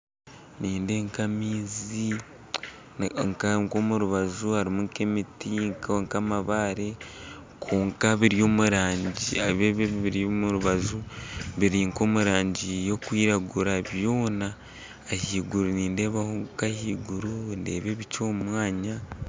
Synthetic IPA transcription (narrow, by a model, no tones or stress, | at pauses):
niːnde̞ŋkamiːzi | ŋkaŋkomuɾuβazuhaɾimuŋkemitiŋkŋkamaβaːɾe̞ | kʰoːŋkaβiɾijo̞ːmuɾaːɲɟiaβeβeβiɾjomuɾuβazuβiɾiːŋko̞ːmuɾaːɲɟijo̞kwiːɾaɡuɾaβjo̞ːnaː | hiːɡuɾuniːnde̞ːβahokahiːɡuɾunde̞ːβe̞βit͡ʃoːmwaːɲa